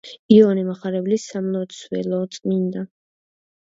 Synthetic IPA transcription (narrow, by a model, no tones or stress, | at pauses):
iɔnimaχaɾɛblisamlɔt̪swɛ̰lɔt̪sʼmind̪a